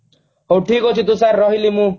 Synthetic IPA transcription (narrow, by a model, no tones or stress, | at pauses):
ɦowʈʰikot͡ʃʰit̪usaɾːɔɦilimũ